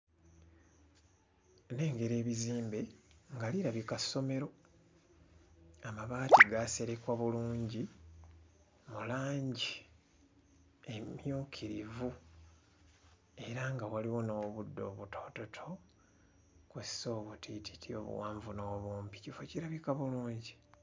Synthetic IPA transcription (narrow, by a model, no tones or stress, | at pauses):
ne̞ːŋɡe̞ɾe̞ːβiziːmbe̞ŋɡaliɾaβikaso̞me̞ɾo̞ | amaβaːtiɡase̞ɾekwaβuluːɲɟi | mulaːɲɟi | emjukʰiɾivu | e̞ɾaŋɡawaliwo̞no̞ːβudːo̞̰ːβutʰo̞ːtotʰo̞ | kweso̞ːβutʰitʰi̥tio̞̰βṵwaːɱvuno̞ːβuːmpi̥cifo̞ciɾaβikaβuluːɲɟi